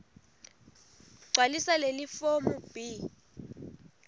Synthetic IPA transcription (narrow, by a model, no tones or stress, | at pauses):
ɡ͡ǀʱwalisalelifomub̥i